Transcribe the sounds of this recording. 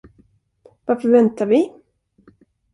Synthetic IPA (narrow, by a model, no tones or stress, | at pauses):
vaɾfœɾvɛnt̪aɾvɪ